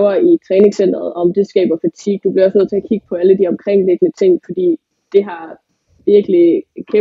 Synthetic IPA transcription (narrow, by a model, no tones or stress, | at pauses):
ʊɐit͡sʰʁɛːne̝ŋsen̰d̥ʁɐð̩ˠɒ̽md̥e̝sɡ̥ɛ̰ːb̥ɐfæt͡sʰiɡ̥̚d̥ub̥liɐɒ̽sneð̰ˠt͡sʰe̝æɐkʰiɡ̥ə̥pʰɒ̽æləd̥iɒ̽mkʰʁeŋ̰le̝ɡ̥ənət͡sʰe̝ŋ̰fɒ̽d̥ḭː | d̥e̝ɦɑ̈ | ʋiɐɡ̥likʰe